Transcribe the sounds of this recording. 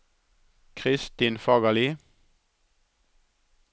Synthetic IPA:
kʰʁɪst̪iːnfɑɡɑliː

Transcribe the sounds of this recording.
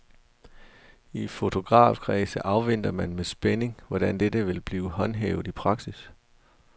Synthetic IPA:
ifo̝t͡sʰo̝ɡ̥ʁɑ̰̈ːfkʰʁɛːsəʔɑ̈ʊʋen̰d̥ɐmænmesb̥ene̝ŋʋɒɾ̥ænd̥edəʋe̝lb̥liːʊɦɒ̽nɦeːʊð̩ˠipʰʁɑ̈ɡ̥sis

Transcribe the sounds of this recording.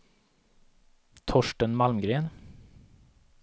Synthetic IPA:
t̪ʰɔʃʈənmɑlmɡɾeːn

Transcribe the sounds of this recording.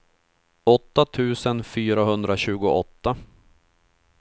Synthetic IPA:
ɔt̪ːat̪ʰʉ̟ːsənfyːɾaɦɵnd̪ɾaɕʉ̟ːɡʊʔɔ̰t̪ːa

